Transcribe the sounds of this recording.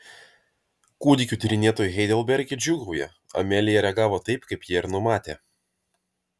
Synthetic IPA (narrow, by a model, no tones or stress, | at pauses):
kuːd̪ʲɪkʲuːˑt̪ʲɪɾʲɪnʲeɛt̪oːjʊɣʲɛɪd̪ʲɛlˠbʲɛɾʲɡʲɪd͡ʒʲʊɡɐʊjɛ | ɐ̰mʲɛlʲɪjɛɾʲɛɡɑːʋoːt̪ɐɪpkɐɪpjiɛɪɾnʊmɑːt̪ʲḛː